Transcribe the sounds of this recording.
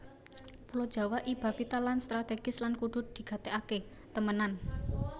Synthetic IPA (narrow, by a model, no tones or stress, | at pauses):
pulod̥ʒ̥a̤waʔib̥a̤pit̪alanst̪ɾat̪eɡ̥ɪslankuɖ̪̥ʊ̤t̪̚d̪̥i̤ɡ̥a̤t̪eake | t̪əmənan